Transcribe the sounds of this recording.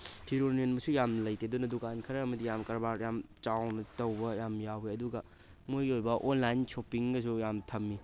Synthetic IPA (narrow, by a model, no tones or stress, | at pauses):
tʰiɾoɾnienbɐsujamlɐjtʰedunɐdukankʰɐɾɐɐmɐdijamkɐɾbaɾjamt͡ʃawnɐtɐwbɐjamjaweɐduɡɐ | mojɡiojbɐʔonlajnsopiŋɡɐs̬ujamtʰɐmːi